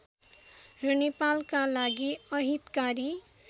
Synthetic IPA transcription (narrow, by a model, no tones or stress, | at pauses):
rʌnepalkalaɡiʌɦit̪kaɾi